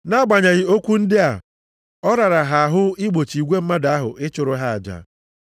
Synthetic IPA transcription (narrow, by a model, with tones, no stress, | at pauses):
na˦ɡ͡ba˨ɲa˨ɣɪ˨o˦kʷu˦n̩˦dɪ˦a̰˨ | ɔ˦ɾa˨ɾa˨ɦa˨a˨ɦʊ˦ɪ˦ɡ͡bo˨t͡ʃi˨ɡʷe˦m̩˦ma˦da˨˦a˦ɦʊ̰˨ʔɪ˦t͡ʃʊ˨ɾʊ˦ɦa˦a̰˨d͡ʒa̰˨